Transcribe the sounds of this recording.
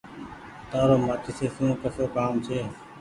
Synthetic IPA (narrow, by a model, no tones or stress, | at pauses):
t̪aːɾoːmaːt͡ʃɪseːsũːkəsoːkaːmt͡ʃʰeː